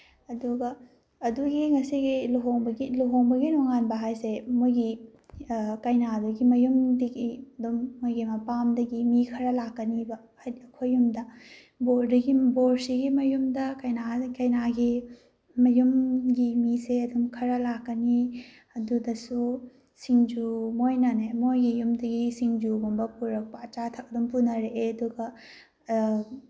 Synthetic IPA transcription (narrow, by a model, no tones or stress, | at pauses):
ɐduɡɐː | duɡiŋɐsiɡiluɦoŋbɐɡiluɦoŋbɐɡinoŋanbɐɦajsemojɡi | kɐjnaduɡimɐjumdɐɡiɐdumːojɡimɐpamdɐɡimikʰɐɾɐlakːɐnibɐ | ɐkʰojːumdɐ | boɾdɐɡiboɾsiɡimɐjumdɐkɐjnakɐjnaɡi | mɐjumɡimiseɐdumkʰɐɾɐlakːɐni | ɐdudɐsu | siŋd͡ʒumojnɐnemojɡijumdɐɡisiŋd͡ʒuɡumbɐpuɾɐk̚pɐɐt͡ʃatʰɐk̚ɐdumpunɐɾeʔeɐduɡɐ